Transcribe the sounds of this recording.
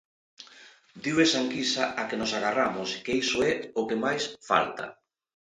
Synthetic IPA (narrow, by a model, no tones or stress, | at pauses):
d̪iwesaŋkisaʔakenosaɣaramoskejsoɛokemajsfa̰lt̪a̰